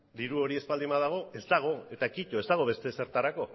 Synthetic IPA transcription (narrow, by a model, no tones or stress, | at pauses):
d̪iɾuo̞ɾie̞spald̪imaðaɣ̞o̞e̞zd̪aɣ̞o̞e̞t̪akic̪o̞e̞zd̪aɣ̞o̞βe̞st̪e̞se̞ɾt̪aɾako̞